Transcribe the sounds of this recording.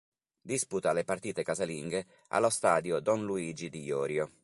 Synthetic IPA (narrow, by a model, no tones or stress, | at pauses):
d̪isput̪alepart̪iːt̪ekazaliŋɡe | a̰lːost̪aːd̪jod̪ɔnluiːd͡ʒid̪ijɔːɾjo